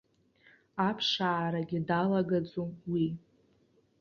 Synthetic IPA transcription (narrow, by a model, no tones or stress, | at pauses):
apʰʂaːɾaɡʲidalaɡad͡zowi